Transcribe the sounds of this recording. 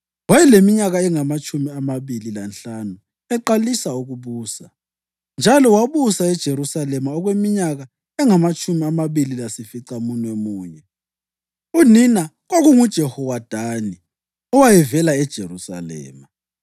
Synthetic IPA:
wajɛlemiɲaɣaɛŋamat͡ʃʼumiamaβililanɬanu | ɛǃalisauɣuβuːsa | nd͡ʒʱalɔwaβusaɛd̥ʒ̥ʱeɾusalɛmaɔɣwemiɲaɣa | ɛŋamat͡ʃʼumiamaβililasifiǀamunemuːɲɛ | unina | ɣoɣuŋud̥ʒ̥ʱɛhɔwad̥ʱaːni | ɔwajɛvɛlaɛd̥ʒ̥ʱeɾusa̰lɛ̰ːma

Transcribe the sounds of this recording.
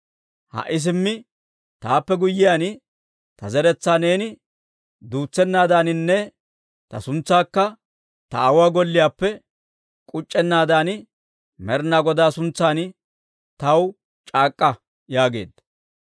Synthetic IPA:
hɐ̰ʔɪs̬ɪmːɪ | t̪aːpːɛɡʊjːɪjaːn | t̪ɐzɛɾɛt͡sːaːne̞ːnɪ | d̪uːt͡sːɛnːaːd̪aːnɪnːɛ | t̪ɐsʊnt͡sːaːkːɐ | t̪ɐɐwaːɡɔlːɪjaːpːɛ | kʼʊt͡ʃʼːɛnːaːd̪aːn | mɛɾnaːɡɔd̪aːsʊnt͡sːaːn | t̪ɐw | t͡ʃʼaːkʼːɐ | jaːɡe̞̰ːd̪ːɐ

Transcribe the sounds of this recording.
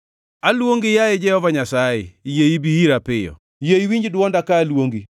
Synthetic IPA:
alwoŋɡijajɪd͡ʒɛhɔvaɲasajɪ̰jeibiiɾapɪjɔ̰ | jeiwiɲd͡ʒdwɔndakaːlwoŋɡi

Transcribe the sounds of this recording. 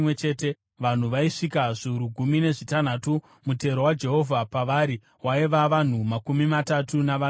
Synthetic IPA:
et͡ʃe̞ːte | ʋan̤uʋaiʂikaʐuuɾuɡʱumine̞ʐitan̤atu | mute̞ɾowad͡ʒe̞ɦo̞vʱapaʋaːɾi | waiʋaʋan̤umakumimatatunaʋa

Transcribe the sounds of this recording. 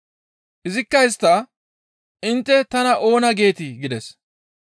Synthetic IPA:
ʔɪzɪkːɐjɪs̬t̪ːɐ | ʔɪnt̪ːɛt̪ɐnɐʔo̞ːnɐɡe̞ːt̪ɪɡɪd̪ɛs

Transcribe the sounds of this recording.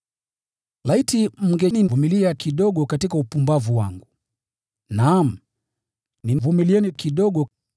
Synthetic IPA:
laitim̩ŋɡɛninvumiliakiɗɔɠɔkatikaupumbavuwa̰ŋɡu | nam̩ | nivumiliɛnikiɗɔɠɔ

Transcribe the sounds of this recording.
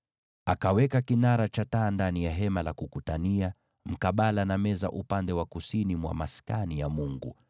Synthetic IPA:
akawɛkakinaɾat͡ʃataːndanijaɦɛmalakukutania | m̩kaɓalanamɛza̰ʔupandɛwakusinimwa̰maskanijamuŋɡṵ

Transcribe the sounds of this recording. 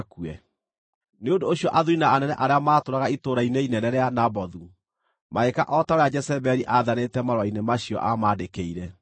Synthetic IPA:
kuɛ | neondoːɕjɔʔaðuɾinaːnɛnɛʔaɾeamaːtoɾaɣaitoɾaineinɛnɛɾeanabɔðu | maekaʔɔtaoɾead͡ʒɛsɛbɛɾiʔaðanetɛmaɾwainemaɕiɔ̰ʔamaːdekeiɾɛ

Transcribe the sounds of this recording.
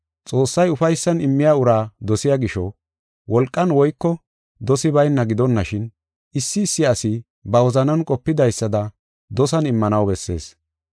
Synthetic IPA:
t͡sʼo̞ːsːɐjʊfɐjsːɐnɪmːɪjaːʊɾaːd̪ɔsɪjaɡɪʃɔ | wɔlkʼːɐnwɔjkːɔ | d̪ɔsɪbɐjnːɐɡɪd̪ɔnːɐʃɪn | ɪsːɪːsːɪɐsɪ | bɐwɔzɐnɐnkʼɔpːɪd̪ɐjsːɐd̪ɐ | d̪ɔsɐnɪmːɐnɐwbɛsːe̞̰ːs

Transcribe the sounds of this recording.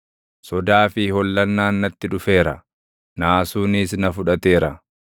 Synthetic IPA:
sɔd̪aːfɪhɔlːɐnːaːnːɐt̪ːɪᶑʊfe̞ːɾɐ | naːsuːnɪsnɐfʊᶑɐt̪e̞ːɾɐ

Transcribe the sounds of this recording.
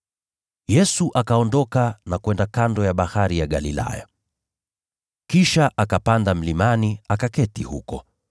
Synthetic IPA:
jɛsuʔakaɔndɔkanakwɛndakandɔjaɓahaɾijaɠalila̰ja̰ | kiʃaʔakapandam̩limaniakakɛtihukɔ

